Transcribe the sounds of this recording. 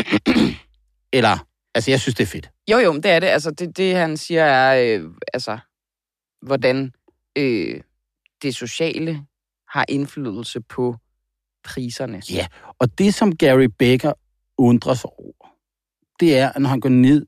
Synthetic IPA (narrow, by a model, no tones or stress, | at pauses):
elɐ | ælsəjɑ̈ɪsynsd̥e̝æɐfe̝d̥ | jojoʊmnd̥e̝æɐɾe̝ʔæls̬ɐd̥e̝d̥e̝hænsiːɐæɐøælsɐ | ʋɒd̥æn | ø | d̥e̝so̝ɕɛ̰ːlə | hɑ̈ʔe̝nflyð̞ˠl̩səpʰɒ̽ | pʰʁiːsɐnəjæɒ̽d̥e̝sɒ̽mɡ̥æʁib̥eɡ̥ɐ | ɔnd̥ʁɐsɒʊ̰ɐ | d̥e̝æɐnɒhænɡ̥ɒne̝ð̞̰ˠ